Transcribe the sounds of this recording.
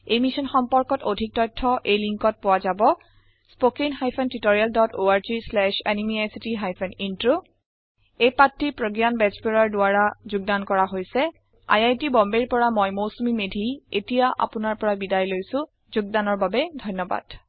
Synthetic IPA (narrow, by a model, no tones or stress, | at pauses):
ejmisɔnxɔmpɔɹkɔtodʱik̚tɔjtʰːɔʔejliŋkɔt̚pʊwazabɔ | spokiŋxajpʰɛntitoɹialdɔtoaɹzislɛʃanimiajsitiɦajpʰɛnintɹo | ejpatːipɹoɡjanbɛzbelaɹdʊaɹazʊɡ̚dankɔɹaɦojsɛ | a̰jajtibɔmbeɹpɔɹamɔjmosumimedʱietijaʔa̰pʊnaɹpɔɹabidajlojsʊ̃ | zuɡ̚danɔɹbabɛdʱɔjnːɔba̰d̥